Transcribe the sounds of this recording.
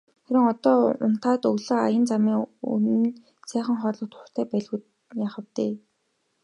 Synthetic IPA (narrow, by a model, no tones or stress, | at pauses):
χæɾɪ̆ŋɔt̪ɔːʊ̰n̥t̪χaːt̪ɵɣɮə̆ajə̆nt͡samiːŋṵnɘ̆n | sæːχə̆ŋχɔːrɮɞ̆kt̪ʰʊr̥t̪ʰæːpæɮɣu | jaːχə̆wt̪eː